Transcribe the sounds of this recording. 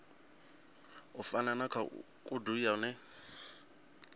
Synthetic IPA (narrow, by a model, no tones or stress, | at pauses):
ʊfananakʰa̰ | kʼʊduiaʊnɛ